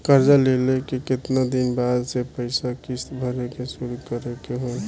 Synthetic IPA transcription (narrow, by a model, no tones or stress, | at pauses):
kəɾd͡ʒalelekikɪt̪nad̪inbaːd̪sepəɪsakist̪bʱəɾekesuɾukəɾekeɦo